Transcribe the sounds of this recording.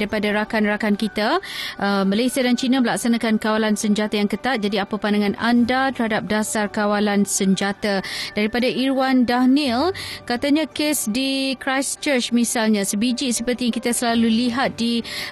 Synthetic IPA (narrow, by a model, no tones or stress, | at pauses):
ɾipadaɾakanrakankit̪aʔəmalajsiadant͡ʃinãməlak̚sanakankawalansəɲd͡ʒat̪ajaŋkət̪at̪̚d͡ʒadiapapandaŋãna̰ndat̪ərhadap̚dasarkawalansəɲd͡ʒat̪ad̥aɾipadaʔiɾwandanilkat̪aɲãkesdikɾajst͡ʃərt͡ʃmisalɲãsəbid͡ʒisəpərt̪iaŋkit̪asəlaluliɦat̪̚di